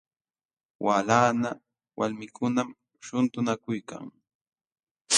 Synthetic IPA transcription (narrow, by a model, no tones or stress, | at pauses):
wʔaːlaːna | wʔalmɪkʰʊnam | ʃʊnt̪ʊnakʊjka̰ŋ